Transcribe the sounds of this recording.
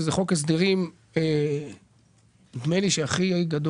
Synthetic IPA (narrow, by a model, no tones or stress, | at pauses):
zeχo̞kes̬d̪iʁim | e | d̪meliʃeaχiɡad̪o